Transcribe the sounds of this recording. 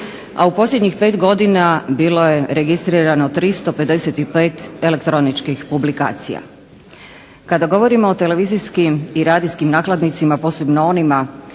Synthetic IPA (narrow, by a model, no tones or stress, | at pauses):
aupo̞sljed̪ɲixpe̞ːt̪ɡo̞d̪inabiːlo̞je̞ɾeɡist̪ɾiːɾano̞t̪ɾist̪o̞pe̞d̪e̞set̪ipe̞ːt̪e̞le̞kt̪ɾo̞nit͡ʃkixpublika̰ːt̪sḭja̰ | kad̪aɡo̞ʋo̞ɾimo̞ːt̪e̞le̞ʋiːziskimiɾaːd̪iskimnaːklad̪nit̪simapo̞ːse̞bnoo̞nima